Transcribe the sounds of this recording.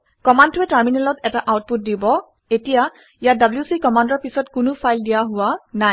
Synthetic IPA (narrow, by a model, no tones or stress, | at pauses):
kɔmandtʊɛtaɹminɛlɔtɛtaʔawt̚put̚dibɔ | etija | ijadabljusikɔmandɔɹpisɔtkʊnʊpʰajldijaɦʊwana